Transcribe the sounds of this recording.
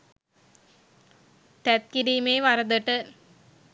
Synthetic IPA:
t̪æt̪̚kiɾiːmeːʋaɾəd̪əʈə

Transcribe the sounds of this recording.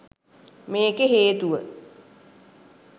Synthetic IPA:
meːkeɦeːt̪uʋə̰

